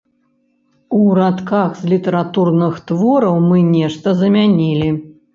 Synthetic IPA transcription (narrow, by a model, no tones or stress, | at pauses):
uɾat̪kaxzlʲit̪ɐɾat̪urnɨxt̪vɔɾɐwmɨnʲɛʂt̪ɐzɐmʲanʲilʲi